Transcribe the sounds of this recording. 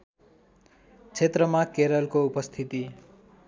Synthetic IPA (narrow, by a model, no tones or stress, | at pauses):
t͡sʰet̪rʌmakeɾʌlkoupʌst̪ʰit̪i